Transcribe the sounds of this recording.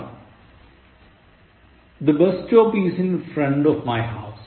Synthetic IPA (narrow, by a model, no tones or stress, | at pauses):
d̪əbɛsʈɔːpizɪ̃nfɾɛ̃ɳɖɔʋmaɪɦaʊs